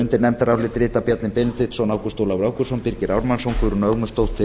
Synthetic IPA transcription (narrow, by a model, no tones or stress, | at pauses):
ʏnt̪ɪɾnɛmt̪aɾawlɪt̪ɾɪːt̪apjat̪nɪnpɪːnɪnt̪ɪt̪sɔnaːwkʏ̥st̪oːwlawɾawkʏɾsɔnpiɾcɪɾawɾmansowŋkʰʏɾunœɣmʏst̪owt̪ʰːɪ